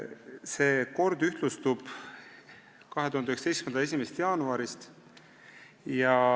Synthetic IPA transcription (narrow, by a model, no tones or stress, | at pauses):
se̞ːko̞rd̪yht̪lust̪ub̥ | kɑɦet̪uhɑnd̪yheksɑ̥ejskmenɑes̬ʲimest̪jɑːnuɑɾist̪ | jɑ